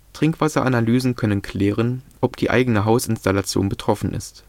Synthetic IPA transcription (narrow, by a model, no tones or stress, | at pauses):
tʁ̥ɪŋkv̥asɐʔanalyːzn̩kʰœnənkʰl̥ɛːʁənʔɔpd̥iːʔa̰ɪɡənəɦaʊsɪnstalat͡sjo̰ːnbətʁ̥ɔfn̩ʔɪ̰st